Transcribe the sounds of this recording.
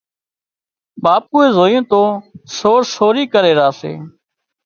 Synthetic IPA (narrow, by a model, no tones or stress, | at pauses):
ɓaːp̚uːeːzoːjõːt̪oːsoːɾsoːɾiːkəɾeːɾaːsḛː